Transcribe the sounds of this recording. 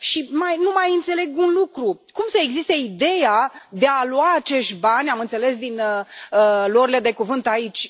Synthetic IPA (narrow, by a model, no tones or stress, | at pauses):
ʃimajnumajɨnt̪se̞le̞ɡunlukɾukumsəeɡzist̪eid̪e̞jad̪e̞aluaːt͡ʃe̞ʃt̪ʲbanʲamɨnt̪se̞le̞sd̪inəəloɾile̞d̪e̞kuvɨnt̪ait͡ʃʲ